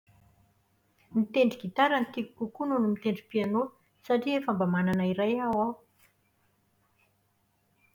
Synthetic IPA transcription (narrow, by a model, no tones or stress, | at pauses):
mit̪eɳɖ͡ʐiɡit̪aɾant̪iku̥kukununumit̪eɳɖ͡ʐipiano | saʈ͡ʂiefambəmananaiɾajawaw